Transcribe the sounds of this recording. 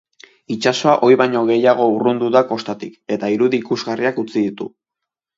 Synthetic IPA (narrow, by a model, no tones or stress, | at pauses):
it͡ʃaso̞aʔo̞jβajɲo̞ɣe̞jaɣ̞o̞urund̪uðako̞st̪at̪ike̞t̪aiɾuðiːkuzɣariakut͡siðit̪ṵ